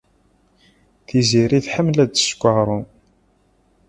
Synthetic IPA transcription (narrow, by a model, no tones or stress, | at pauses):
θiziɾiθħəmːlæd̪skʷːəʁɾˤʊn